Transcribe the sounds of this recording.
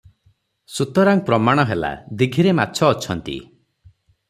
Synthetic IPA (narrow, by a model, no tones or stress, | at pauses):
sut̪ɔɾaŋpɾɔmaɽ̃ɔɦela̰d̪iɡʱiɾemat̪ːt͡ʃʰɔːt͡ʃʰɔnt̪ḭ